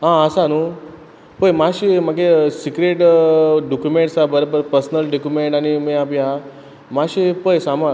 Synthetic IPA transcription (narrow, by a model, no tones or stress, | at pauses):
ɦãəsanu | pəjmaɕimaɡesikɾeʈɖokjumẽɳʈsabəɾobəɾpəɾsnəlɖokumeɳʈañimeapiɦa | maɕipəjsama